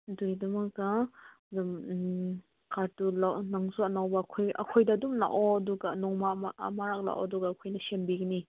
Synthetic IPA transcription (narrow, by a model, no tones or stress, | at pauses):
dujdɐmɐkːa | dum | kʰaɾtulanaŋsuɐnawbɐkʰojʔɐ̰kʰojdɐːdumla̰ʔɔɐduɡanɔŋmaa̰maɾak̚la̰ʔɔ̰duɡaːkʰojnɐsembiɡɐni